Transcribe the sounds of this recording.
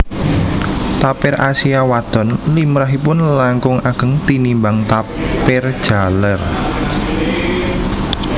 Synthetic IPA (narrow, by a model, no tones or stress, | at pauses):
t̪apɪɾasiawad̪̥ɔ̤nlimɾaɦipʊnlaŋkʊŋaɡ̥ə̤ŋt̪inimbaŋt̪apɪrd̥ʒ̥a̤lər